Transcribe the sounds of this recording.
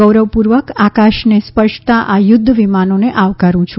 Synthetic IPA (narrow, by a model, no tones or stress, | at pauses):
əwɾəʋpuɾʋəkakaʃnespəɾʃt̪aʔajʊd̪ʱːəʋimanoneʔaʋkaɾũt͡ʃʰu